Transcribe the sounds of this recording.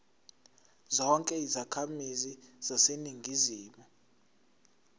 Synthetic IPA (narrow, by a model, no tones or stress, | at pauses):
zɔŋkʼɛizakʰamiziz̥aseniŋɡʱiziːmu